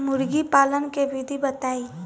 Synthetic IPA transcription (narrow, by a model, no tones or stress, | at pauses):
mʊɾɡipaːlənkebʱid̪ʱibət̪aːi